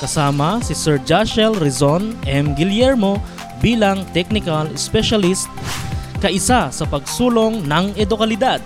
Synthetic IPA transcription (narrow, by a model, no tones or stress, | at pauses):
kɐsaːmɐsɪsɛɹd͡ʒaʃɛlɾɛzonʔɛmɡɪljɛɹmo̞ | biːlɐŋt̪ɛk̚nɪkɐlɛspɛʃɐlist̪̚kɐʔɪsasɐpɐɡsuːlo̞ŋnɐŋɛd̪okɐlɪd̪ad̪̚